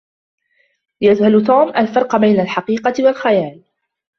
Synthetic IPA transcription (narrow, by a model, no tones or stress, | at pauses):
jad͡ʒhalt̪uːmʔalfɑɾˤqɑbajnalħɑqiːqɑwalxajaːl